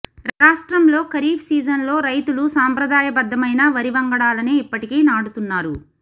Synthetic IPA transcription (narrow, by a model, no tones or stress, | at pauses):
ɾaːʂʈɾɐmlo̞ːkɐɾiːbsiːd͡ʒɐnlo̞ːɾɐjt̪ulusaːmpɾɐd̪aːjɐbɐd̪ːɐmɐjnɐʋɐɾiʋɐŋɡɐɽaːlɐneːipːɐʈikeːnaːɽut̪unːaːɾu